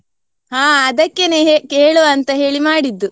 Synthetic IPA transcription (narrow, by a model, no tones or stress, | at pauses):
ɦaːɐd̪ɐkːeneekeːɭuɐnt̪ɐɦe̞ːɭimaːɽid̪ːu